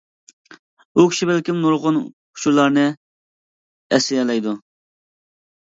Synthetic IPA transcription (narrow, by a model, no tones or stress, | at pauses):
ukʲʰi̥ʃibælkʲimnuɾʁʊnʰ | ʊ̥ʃʰuɾlˠɑɾnɨ | ɛsɪɛlɛjd̪u